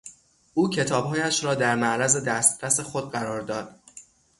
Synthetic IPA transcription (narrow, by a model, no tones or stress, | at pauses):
ʔuːcʰe̞t̪ʰɒːb̥ɦɒːjæʃɾɒːd̪æɾmæʔɾæze̞d̪æst̪ɾæse̞xod̪̚ɢæɾɒːɾd̪ɒːd̪̥